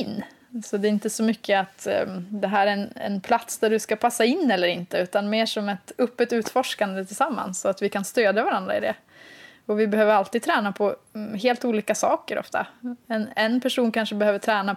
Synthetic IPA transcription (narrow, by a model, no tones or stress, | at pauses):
ɪnː | sɔd̪ɛɾɪnt̪əsɔmʏkːəat̪d̪ɛɦæːɾæɛnɛ̰npʰlat̪sd̪æɖɵskapʰasːaɪnːɛlːəɾɪnt̪əʉ̟ːt̪anmeːʂɔmɛt̪ɵpːət̪ʉ̟ːt̪fɔʂkand̪ət̪ʰɪlsamːa̰nsɔat̪vɪkʰanst̪øːd̪javaɾand̪ɾaɪd̪ɛ̰ | ɔvɪbɛɦøːvəɾalt̪iːd̚t̪ʰɾɛːnapʰɔɦeːlt̪uːliːkasɑːkəɾʔɔ̰ft̪ʰa̰ɛnɛnpʰæʂuːnkʰanʂəbɛhøːvəʈʰɾɛːna